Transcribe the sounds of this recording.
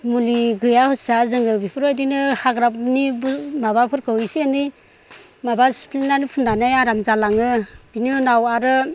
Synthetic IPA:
muliɡɯjahɔsazɯŋɯbipʰɯɾɔjdinɯhaɡɾap̚nibumaβapʰɯɾkʰɯwisiani | mabasi̥pʰlinanipʰundanajaɾamzalaŋɯbininawaɾɯ

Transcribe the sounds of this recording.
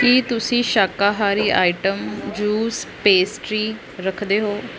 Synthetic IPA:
kiːt̪ʊsĩːʃaːkaːɦaːɾiːʔa̰ːiʈəmd͡ʒuːspeːsʈɾiː | ɾəkʰd̪eːɦoː

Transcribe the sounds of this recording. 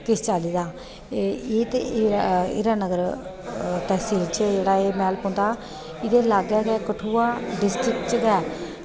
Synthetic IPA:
kɪst͡ʃaːliːd̪aː | eːt̪e | ɪ̰ɾaːnəɡəɾ | t̪ɛːsiːlt͡ʃəd͡ʒeːɽaːeːmɛːlpõːnd̪aː | ɪd̪eːlaːɡɛːɡɛːkəʈʰuːaːɖɪsʈɾɪkt͡ʃɡɛː

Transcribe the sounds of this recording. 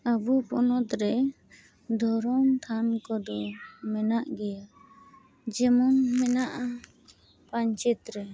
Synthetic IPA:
abupɔnɔt̪ɾɛ | d̪ʱɔɾɔmt̪ʰankɔd̪ɔmɛnaʔɡɛja | d͡ʒɛmɔnmɛnaʔa | paɲt͡ʃɛt̪ɾɛ

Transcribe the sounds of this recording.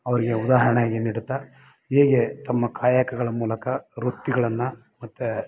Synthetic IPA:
ɐʋɐɾiɡeud̪aːɦɐɾɐɳaːɡiniɽut̪ːa | heːɡet̪ɐmːɐkʰaːjakɐɡɐɭɐmuːlɐkɐɾut̪ːiɡɐɭɐnːɐ | mɐt̪ːu

